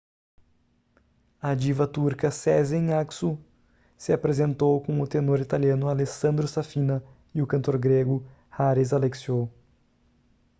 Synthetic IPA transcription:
ad͡ʒivɐt̪uɾkɐsɛzẽj̃aksu | sɪapɾezẽnt̪owkõw̃ʊt̪enoɾit̪aliɐ̃nʊalesɐ̃nd̪ɾʊsafĩnɐ | ɪʊkɐ̃nt̪oɾɡɾeɡʊ | haɾezaleksio

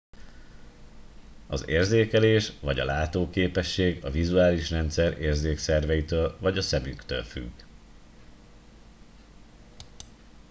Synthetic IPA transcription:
ɒzeːrzeːkɛleːʃvɒɟɒ̰laːt̪oːkeːpɛʃːeːɡɒvizuaːliʃrɛnt̪sɛɾeːrzeːksɛrvɛjit̪øːlvɒɟɒsɛmykt̪ø̰ːlfy̰ɡː

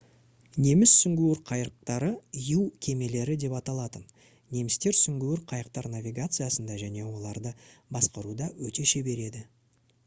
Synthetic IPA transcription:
ne̞mɪsːʏŋɡʲuwɪɾqʰɑjɾəq̚t̪ɑɾəijuwkʲʰe̞me̞le̞ɾɪd̪e̞pɑt̪ɑlˠɑt̪ən | ne̞mɪst̪e̞ɾsʏŋɡʲuwɪɾqʰɑjəq̚t̪ɑɾnavʲiɡat̪sɨjasənd̪ɑʒæne̞wo̞lˠɑɾd̪əbɑsqɑɾud̪ɑwɵt̪e̞ʃe̞be̞ɾe̞d̪ɪ

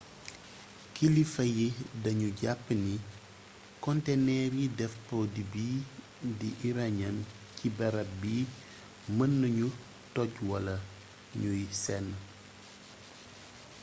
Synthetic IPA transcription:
kilifɐjidɐɲuɟapːni | kɔntenɛːɾjidɛfpɔdibiː | diʔiɾaɲɐm | cibɐɾɐbiː | mənːəɲu | tɔɟwɐlɐ | ɲujsɛnː

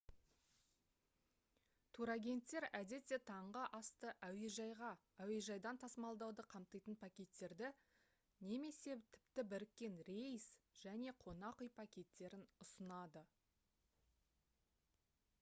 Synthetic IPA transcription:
t̪ʰuɾaɡʲe̞nt̪ːe̞ɾæd̪e̞t̪ːet̪ʰɑɴʁəʔɑst̪əʔæwe̞ʒɑjʁɑ | æwe̞ʒɑjd̪ɑnt̪ʰɑsəmɑlˠd̪ɑwd̪əqʰɑmt̪əjt̪ənpʰakʲe̞t̪ːe̞ɾd̪ɪ | ne̞me̞se̞t̪ʰɪ̥pt̪ɪbɪɾɪkʲːe̞nɾe̞jsʒ̥æne̞qʰo̞nɑqəjpʰakʲe̞t̪ːe̞ɾɪnʊsənɑd̪ə

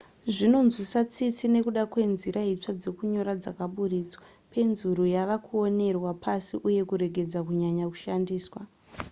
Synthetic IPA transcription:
ʐino̞nzisat͡sit͡sine̞kuɗakwe̞nziɾait͡ʂad͡ze̞kuɲo̞ɾad͡zakaɓuɾiːt͡swa | pʰe̞nzuɾujaʋakʰuo̞ne̞rwapʰasiʔuje̞kuɾe̞ɡʱe̞d͡zakuɲaɲaku̥ʃandiːswa

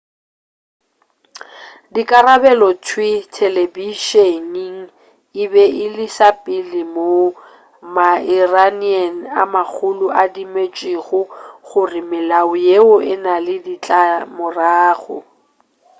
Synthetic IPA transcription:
dikʼarabɛlɔtʰwitʰelebiʃeniŋ̩ | ɪbɛʔɪlisapʼilɪmo | mairanian̩a̰mak͡xʰʊlʊʔadimet͡ʃʼiɣʊχʊrɪmɪlaʊjeʊʔɪnalɪdit͡ɬʼamʊraːɣʊ̰

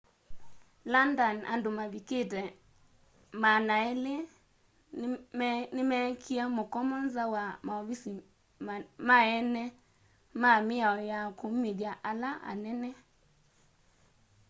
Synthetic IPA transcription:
landana̰ndomaβiketɛ | manaɛle | nɪmɛkʰiamokɔmɔnzawamaɔβisi | mmaɛnɛ | mamɪaɔjakomeðjaʔalaʔa̰nɛnɛ

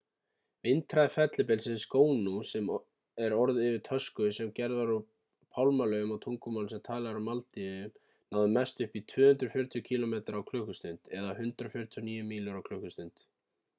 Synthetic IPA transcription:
vɪnt̪ʰɾaðɪfɛt̪lɪpɛlsɪðskoːwnusɛm | ɛɾɔɾðɪvɪɾt̪ʰœskʏsɛmcɛɾðaɾʏ | pʰawlmalœʏmawt̪ʰuŋkʏmawlsɛmt̪ʰaːlɛɣaɾamalt̪iʏ | nawðʏmɛst̪ʏhpit̪ʰvœːhʏnt̪ɾʏ̥fjʏɾt̪jʏcʰiːlɔmeːt̪aɾawkʰlʏhkʏst̪ʏnt̪ɛðaɦʏnt̪ɾafjʏɾ̥t̪ʰjɔniːjʏmiːlʏɾawkʰlʏhkʏst̪ʏnt̪

